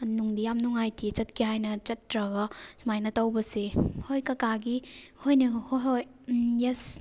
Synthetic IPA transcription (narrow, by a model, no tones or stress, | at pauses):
nuŋdijamnuŋajtʰit͡ʃɐtkʰiɦajnɐt͡ʃɐtːɾɐɡɐsmajnɐtawbɐsehojkɐkaɡihojnɐhoɦoj | jes